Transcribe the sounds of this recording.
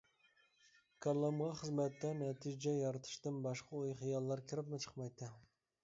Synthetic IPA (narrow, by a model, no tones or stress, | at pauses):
kʰɑlˠːɑmʁɑχəzmɛt̪ːɛnɛt̪ʰijd͡ʒɛjɑɾt̪ʰɨ̥ʃt̪ɨnbɑʃqʰɑojχijɑlˠːɑɾkʲʰɪɾɪpnɪt͡ʃʰə̥qmɑjt̪ːɨ